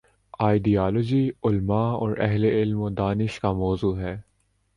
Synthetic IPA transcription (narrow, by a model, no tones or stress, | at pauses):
aːɪɖiaːlɔd͡ʒiʊlmaɔ̰ːɾɛɦleɪlmod̪aːnɪʃkamɔːzuːɦɛː